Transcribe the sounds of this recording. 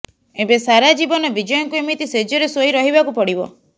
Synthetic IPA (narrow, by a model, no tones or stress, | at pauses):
ebesaɾad͡ʒibɔnɔbid͡ʒɔjɔŋkuemit̪ised͡ʒɔɾesoiɾɔɦibakupɔɽibɔ̰